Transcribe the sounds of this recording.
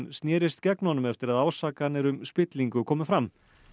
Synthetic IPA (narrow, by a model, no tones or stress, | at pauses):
nst̪nɛːɾɪst̪cɛknɔnʏmɛft̪ɪɾaðaːwsaːkanːɪɾʏmspɪt̪liŋkʏkʰɔːmʏfɾam